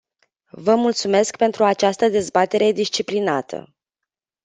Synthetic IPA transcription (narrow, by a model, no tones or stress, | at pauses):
vəmult̪sume̞skpe̞nt̪ɾuat͡ʃast̪əd̪e̞zbat̪e̞ɾe̞d̪ist͡ʃiplinat̪ʰə̰